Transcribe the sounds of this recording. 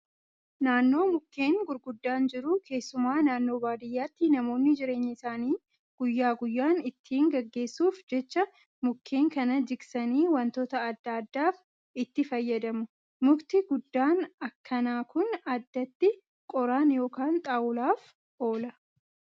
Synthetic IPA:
naːnːo̞ːmʊkːe̞ːŋɡʊɾɡʊd̪ːaːnd͡ʒɪɾʊkʰe̞ːsːʊmaːnaːnːo̞ːbaːd̪ɪjːaːt̪ːɪnɐmo̞ːnːɪd͡ʒɪɾe̞ːɲːɪɪsaːniː | ɡ̥ʊjːaːɡʊjːaːnɪt̪ːiːŋɡɐɡːe̞ːsːuːfd͡ʒɛt͡ʃːɐ | mʊkʰːe̞ːŋkɐnɐd͡ʒɪksɐniːwɐnt̪oːt̪ɐːd̪ːɐd̪ːaːf | ɪt̪ːɪfɐjːɐd̪ɐmʊ | mʊkt̪ɪɡʊd̪ːaːnɐkʰːɐnaːkʊnɐd̪ːɐt̪ːɪ | kʼɔɾaːnjo̞ːkaːnt̪ʼaːwʊlaːf | ʔo̞ːlɐ

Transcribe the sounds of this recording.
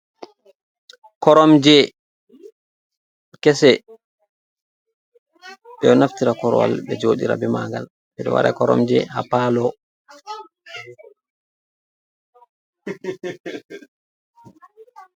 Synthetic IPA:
kɔɾɔmd͡ʒɛ | kɛsɛ | ɓɛɔnaftiɾakɔɾɔ̰wa̰lbɛd͡ʒoːɗiɾa̰bɛmaŋɡal | ɓɛɗɔ̰wa̰ɾa̰kɔɾɔ̰md͡ʒɛhapalɔ

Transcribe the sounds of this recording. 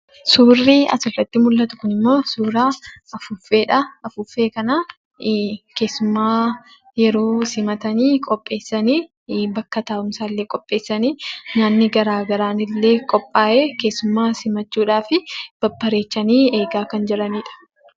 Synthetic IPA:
suːrːiːɐ̰sɪrːɐt̪ːɪmʊlːɐt̪ʊ̥kʊnɪmːo̞ːsuːɾaːɐfʊfːe̞ːᶑɐɐfʊfːe̞ːkɐnaː | ke̞ːsːʊmːaː | jɛɾo̞ːsɪmɐt̪ɐniːkʼɔpʼːe̞ːsːɐniː | bɐkːɐt̪aːʔʊmsaːlːeːkʼɔpʼːeːsːɐniːnaːnːɪɡɐɾaːɡɐɾaːnɪlːe̞ːkʼɔpʼːaːʔeːke̞ːsːʊmːaːsɪmɐt͡ʃːuːᶑaːfɪb̥ɐpːɐɾe̞ːt͡ʃːɐniːe̞ːɡaːkɐnd͡ʒɛɾɐniːᶑɐ̥

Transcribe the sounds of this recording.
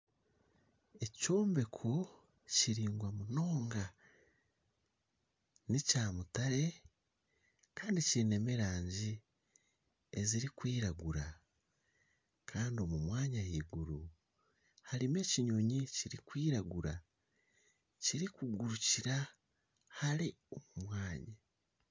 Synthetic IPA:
e̞co̞ːmbe̞kʰo | ciɾiːŋɡwamuno̞ːŋɡa | nicaːmutaɾe | kaːndiciɾine̞miɾaːɲɟi | eziɾikwiːɾaɡuɾa | kʰaːndio̞mumwaːɲahiːɡuɾu | haɾime̞ːciɲo̞ɲiciɾikwiːɾaɡuɾa | ciɾikuɡuɾuciɾa | haɾi | o̞mumwaːɲa

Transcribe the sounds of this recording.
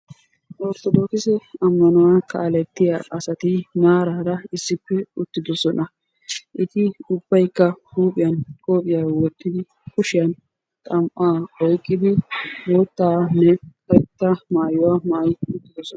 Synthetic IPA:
ʔɔɾt̪ɔd̪oːkɪsɛɐmːɐnʊwaːkʰɐ̰ːlɛt̪ːɪjaʔɐsɐt̪ɪmaːɾaːɾɐɪsːɪpːɛʊt̪ːɪd̪ɔsɔnɐ | ʔɪt̪ɪʊbːɐjkːɐhuːpʼɪjɐnkʼoːpʼɪjaːwɔt̪ːɪd̪ɪ | kʊʃɪjɐn | t̪ʼɐmʔaːɔjkʼːɪd̪ɪboːt̪ːaːnːɛpɐt̪ːɐmaːjʊwaːmaʔjʊt̪ːɪd̪ɔsɔn

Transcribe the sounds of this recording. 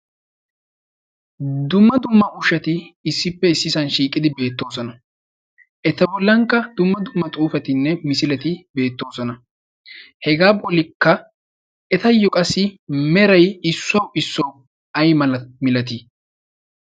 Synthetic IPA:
d̪ʊmːɐd̪ʊmːɐʔʊʃɐt̪ɪːsːɪpːɛɪsːɪsɐnʃiːkʼːɪd̪ɪbe̞ːt̪ːo̞ːsɔnɐ | ʔɛt̪ːɐbɔlːɐŋkːɐd̪̥ʊmːɐd̪ʊmːɐt̪ʼuːfɐt̪ɪnːɛmɪsɪlɛt̪ɪbe̞ːt̪ːo̞ːsɔnɐ | hɛɡaːbɔlɪkːɐ | ɛt̪ɐjɔkʼɐsːɪmɛɾɐjɪsːɔwɪsːɔw | ɐjmɐlɐmɪlɐt̪ɪ

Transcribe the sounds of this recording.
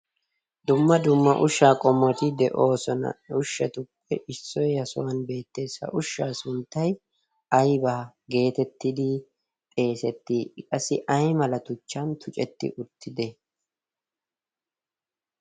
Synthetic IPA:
d̪ʊmːɐd̪ʊmːɐ̰ʔʊʃːaːkʼɔmːɔt̪ɪd̪ɛʔo̞ːsɔnɐ̰ʊʃːɐt̪ʊkʼːɛʔɪsːɔjhɐsʊwɐnbe̞ːt̪ːe̞ːsːɐ̰ʔʊʃːaːsʊnt̪ːɐj | ɐjbaːɡe̞ːt̪ɛt̪ːɪd̪ɪ | pʼe̞ːsɛt̪ːikʼɐsɪʔɐjmɐlɐt̪ʊt͡ʃːɐnt̪ʰʊt͡ʃʼɛt̪ːɪ̰ʔʊt̪ːɪd̪ɛ

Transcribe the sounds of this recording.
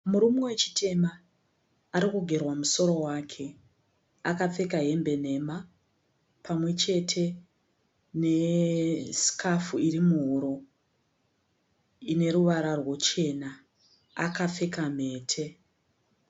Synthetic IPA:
muɾumowet͡ʃi̥tʰe̞maː | ɾikuɡʱe̞rwamuso̞ɾo̞waːkʰe̞ | akap͡fe̞kaɦe̞mbe̞ne̞ma | pʰamwe̞t͡ʃe̞tʰe̞ | ne̞ | si̥kʰafuiɾimuɦuɾo̞ | ine̞ɾuʋaɾarwot͡ʃe̞na | akap͡fe̞kam̤e̞ːtʰe̞

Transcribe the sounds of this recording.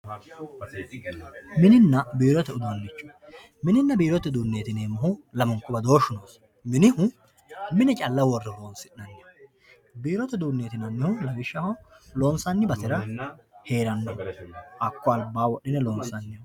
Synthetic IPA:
mɪnɪnːɐbiːɾɔt̪ɛʊd̪ʊwɐnːɪt͡ʃːɔ̥ | mɪnɪnːɐbiːɾɔt̪ːɛd̪uːnːeːt̪ɪneːmɐhʊlɐmʊŋkːʊbɐd̪o̞ːʃʊnoːs | mɪnɪhʊ | mɪnɛt͡ʃʼɐlːɐwɔrːɛloːnsɪnːɐnːɪhʊ | biːɾɔt̪ɛd̪uːnːeːt̪ɪnɐnːɪhʊlɐwɪʃːɐhɔ | lo̞ːnsɐnːɪbɐt̪ɪɾɐhe̞ːɾɐnːɔʔɐkːɔɐlbːaːwɔɗːɪnɛlo̞ːnsɐnːɪ

